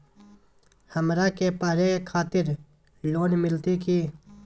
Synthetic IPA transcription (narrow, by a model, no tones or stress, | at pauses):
həmɾaːkepaːɾekʰaːt̪ɪɾ | loːnmɪlt̪ikiː